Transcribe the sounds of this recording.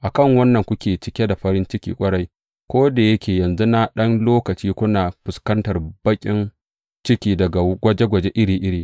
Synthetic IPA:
ʔa˨kɐ˦˨ŋwɐ˦nːɐ˨ŋkʷʊ˦kʲeː˨t͡ʃɪ˦kʲe˦da˨ɸɐ˦ɾɪ˦nt͡ʃɪ˦kʲḭː˦kʷʼɐ˦ɽa˦j | kʷoː˦da˨jɐ˦kʲʰeː˨jɐ˨nzu˦na˦ɗɐ˦nloː˦kɐ˨t͡ʃiː˦kʷʊ˦naː˨ɸʊ˨skɐ˦ntɐ˨rbɐ˦kʲʼɪ˦n | t͡ʃɪ˦kʲiː˦dɐ˨ɡa˨ɡʷɐ˦d͡ʒe˦ɡʷɐ˨d͡ʒe˦ʔɪ˦ɽiː˨ʔɪ˦ɽiː˨

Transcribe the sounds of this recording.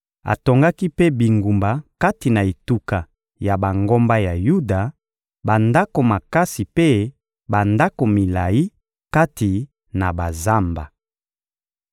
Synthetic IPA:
a̰˨to˨ŋɡa˦ki˦pe˦bi˨ŋɡu˨mba˨ka˦ti˨na˨e˨tu˦ka˨ | ja˨ba˨ŋɡo˦mba˦ja˨ju˦da˨ | ba˨nda˦ko˨ma˨ka˦si˨pe˦ | ba˨nda˦ko˨mi˨la˨ji˦ | ka˦ti˨ | na˨ba˨za˦mba˨

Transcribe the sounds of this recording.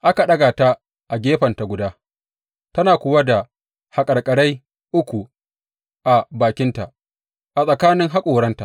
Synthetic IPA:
ʔa˦ka˨ɗɐ˦ɡaː˨ta˦ | ʔa˨ɡʲeː˦ɸɐ˨nta˨ɡʷʊ˨daː˦ | tɐ˦naː˨kʷʊ˦wa˦da˨ | ha˨kʼɐ˨ɽkʼɐ˨ɽa˦j | ʔʊ˦kʷu˨ | ʔa˨baː˨kʲɪ˦nta˨ʔ | ʔa˨sʼɐ˨kaː˦nɪ˦ŋɦa˦kʷʼoː˨ɽɐ˦nta̰˨ʔ

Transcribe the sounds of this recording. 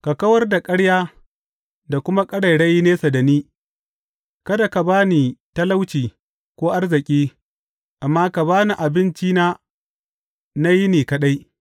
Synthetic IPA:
ka˨kɐ˦wɐ˦rda˨kʼɐ˦ɽjaː˦ | da˨kʷʊ˦ma˦kʼɐ˦ɽa˨ɽɐ˦ji˦neː˦sɐ˨da˨niː˦ | kɐ˦da˨ka˨baː˦niː˨ta˦la˦wt͡ʃiː˨ | kʷoː˦ʔa˦rzɪ˨kʲʼiː˦ | ʔa˨mːaː˦ka˨baː˦ni˨ʔa˨bɪ˦nt͡ʃiː˦naː˦ | na˦ji˦niː˨kɐ˨ɗa˦j

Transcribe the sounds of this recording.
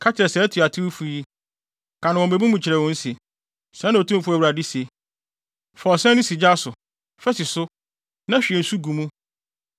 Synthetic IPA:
kʰa˦t͡ɕʰɛ˨sɛ˦tʰu˨a˨tʰɪ˦wu˦fu˦ji˦ | kʰã˨nã˨wɔ̃˨e˨bi˦mũ˨t͡ɕʰɪ˨ɾɛ˨wɔ̃˦n̩˦se˨ | sɛ̃˨˦nã˨o˨tʰũ˦m˦fʊ˦æ˨wɾa˨di˦se˨ | fɔ˨sɛ̃˦nʊ̃˦si˨d͡ʑa˦sʊ˨ | fɛ˦sɪ˨sʊ˦ | nã˦ɕᶣi˨ɛ˨n̩˨su˦ɡũ˨mũ˦

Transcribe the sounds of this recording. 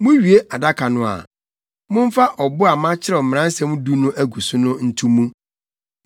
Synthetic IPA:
mũ˦ɥi˨e˦ʔa˨da˦kʰa˨nʊ̃˨a̰˨ | mʊ̃˦m̩˦fa˦ʔɔ˨bʊ˦a˨mã˦t͡ɕʰɪ˦ɾɛ˨m̩˨m̃˨ã˦n̩˦sɛ̃˦mũ˦du˦nʊ̃˦ʔæ˦ɡu˨su˦nʊ̃˦n̩˦tʰũ˦mũ˦

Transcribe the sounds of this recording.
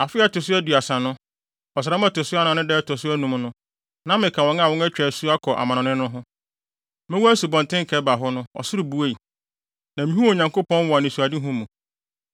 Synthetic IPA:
a˨fɪ˦a˦˨tʊ˨s̬ʊ˦æ˦du˨a˨sã˨nʊ̃˦ | ɔ˨s̬ɾa˨˦m˦a˦˨tʊ˨sʊ˦a˦nã˨nɪ̃˦dɛ˦˨tʰɔ˨sʊ˦æ˦nũ˨mnʊ̃˦ | nã˦mɪ̃˨kʰa˨wɔ̃˦ŋa˦˨wɔ̃˦ŋæ˦t͡ɕᶣɛ˨su˦a˦kʰɔ˨ʔa̰˨mã˨nʊ̃˨nɪ̃˦nʊ̃˦ɦʊ̃˦ | mɪ̃˦wu˦æ˦su˨bɔ̃˨ntʰɪ̃˦ŋ̩˨kʰɛ˨˦ba˨ɦʊ˦nʊ̃˦ɔ̰˨sʊ˦ɾʊ˨bu˨˦e˦˨i˨ | nã˨mĩ˦hu˦o˨ɲã˨ŋko˦pɔ̃˦n˦wɔ˨a˨nɪ̃˨su˨a˨di˦ɦʊ̃˦mũ˨

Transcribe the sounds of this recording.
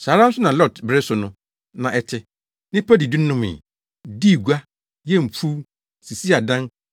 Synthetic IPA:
sa˨ɾã˦m̩˦sʊ˦nã˨lɔ˦˨tbɾɪ˦sʊ˨nʊ̃˦ | nã˨ʔɛ˨tʰɪ˦ | nɪ̃˦pʰa˦di˨di˦n˦nʊ̃˦mɪ̰̃˨ | di˦˨ɡu˦a˦ | jɛ˦m̩˨pʰu˦ | si˨si˦a˨dã˦n

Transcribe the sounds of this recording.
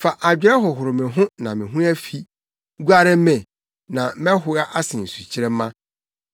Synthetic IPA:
fa˨ʔa˨d͡ʑᶣɛ˦ɦɔ˨ɦʊ˨ɾʊ˨mɪ̃˨ɦʊ̃˦nã˨mɪ̃˨ɦũ˦æ˦fi˦ | ɡu˦a˦ɾɛ˦mɛ̃˨ | nã˨˦mɛ̃˦ɦʊ˨a˦ʔa˦sɪ̃˨n̩˨su˨t͡ɕʰɪ˦ɾɛ˦mːã˦

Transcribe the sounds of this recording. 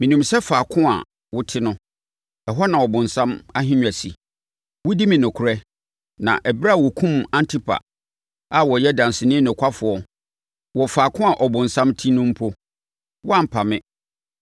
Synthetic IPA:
mĩ˨nũ˨msɛ˦faː˨kʰʊ̃˦a̰˨ | wʊ˦tʰɪ˦nʊ̃˦ | ɛ˨ɦɔ˦nã˨wɔ˨bʊ̃˨n˨sã˦ma˦ɦɪ̃˦ɲᶣ˨a˨sḭ˨ | wʊ˦di˦mĩ˨nʊ̃˨kʰʊ˨ɾɛ˦ | nã̰˨ʔɛ˨bɾa˦˨wɔ˨kʰũ˦mã˦ntʰɪ˦pʰa̰˨ | a˨wɔ˨jɛ˦dã˨n˨sɪ˨nɪ̃˦nʊ̃˨kʷʰa˦fʊ˨ɔ˦ | wɔ˨faː˨kʰʊ̃˦a˨ʔɔ˨bʊ̃˨n̩˨sã˦mtʰĩ˦nʊ̃˦m̩˦pʰo˦ | wɔ˦a˦˨m̩˨pʰa˨mɪ̃˦

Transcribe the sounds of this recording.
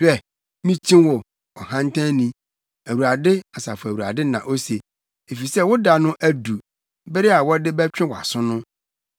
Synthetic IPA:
ɛ˦˨ | mĩ˦t͡ɕʰĩ˦wɔ˨ | ɔ˨hã˦n˦tʰã˦nĩ˦ | æ˨wu˨ɾa˨dɪ˦a˨sa˨fʊ˨æ˨wu˨ɾa̰˨dɪ˦nã̰˨ʔo˦se˨ | e˨fi˨sɛ˦wʊ˦da˨nʊ̃˦ʔæ˦du˨ | bɪ˦ɾɪ˦a˨wɔ˦dɪ˦bɛ˦t͡ɕᶣɪ̃˦wɔ˨a̰˨sʊ̃˦nʊ̃˦

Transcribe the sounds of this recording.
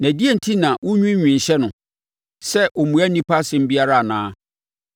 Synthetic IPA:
næ̃˨di˦e˦˨n̩˨tʰi˦nã˨wʊ˦ɲᶣũ˦ɲᶣĩ˨n̩˨ɕɛ˦nʊ̃˨ | sɛ˦ʔo˨mũ˨æ˦nĩ˦pʰa˦sɪ̃˦m̩˦bi˦a˦ɾa˦a˨nãː˦

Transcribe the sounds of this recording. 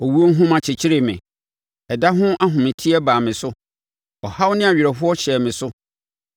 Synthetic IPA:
ɔ˨wu˦o˦n̩˦ɦũ˦mã˨t͡ɕʰɪ˨t͡ɕʰɪ˦ɾɪ˨mɪ̰̃˨ | ɛ˨da˦ɦʊ̃˦ʔa˦ɦʊ̃˨mɪ̃˨tʰi˦ɛ˦baː˨mɪ̃˨sʊ˦ | ɔ˨ha˦wnɪ̃˦a˨ɥᶣɪ˨ɾɛ˨fʊ˦ɔ˦ɕɛ˨mɪ̃˨sʊ˦

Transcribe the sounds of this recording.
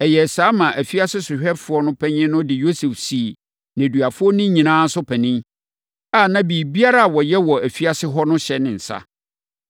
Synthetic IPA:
ɛ˨jɛ˨saː˦mã˨ʔæ˨fi˦a˦sɪ˦sʊ˨ɕᶣɛ˦fʊ˨˦ɔ˦nʊ̃˦pʰɛ˦ɲɪ̃˦nʊ̃˦dɪ˨jo˦se˨fsi˨ | næ̃˨dɥa˨fʊ˦ɔ˦nɪ̃˦ɲĩ˨nãː˦n̩˦sʊ˦pʰæ˨nĩ˦m | a˦˨nã˦biː˨bi˦a˦ɾa˦a˨wɔ˨jɛ˦wɔ˨æ˨fi˦a˦sɪ˦ɦɔ˦nʊ̃˦ɕɛ˨nɪ̃˨n̩˨sa̰˦

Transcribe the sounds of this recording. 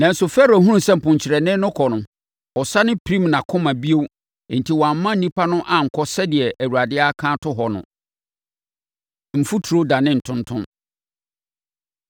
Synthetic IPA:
nã˨n̩˨sʊ˨fɛ˦ɾo˨ɦũ˦ũ˦sɛ˦m̩˨pʊ̃˨ɲt͡ɕʰɪ˨ɾɛ˨nɪ̃˦nʊ̃˦kʰɔ˨nʊ̃˨ | ɔ˨sa˦nɪ̃˦pʰɾĩ˦mnã˨kʰʊ̃˦mã˨bi˦o˦w | n̩˨tʰi˨wɔ˨a˨m̩˦mã˦n̩˨nĩ˦pʰa˦nʊ̃˦ʔa˨ŋ̩˨kʰɔ˦sɛ˦dɪ˨ɛ˨ʔæ˨wu˨a˨dɪ˦a˦kʰã˦tʰʊ˦ɦɔ˨nʊ̰̃˨ | m̩˨fu˦tʰu˨ɾo˦da˨nɪ̃˦n̩˨tʰʊ̃˦ntʰʊ̃˦n

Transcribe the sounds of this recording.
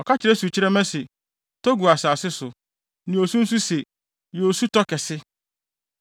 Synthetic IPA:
ɔ˨ka˦t͡ɕɪ˨ɾɛ˦su˨t͡ɕʰi˦ɾɛ˦mɛ̃˦se˨ | tʰo˦ɡu˨a˨saː˨sɪ˦sʊ˨ | nĩ˨o˨sũ˦n̩˦s̬u˦se˨ | jo˨su˦tɔ˦kɛ˨sɪ˦

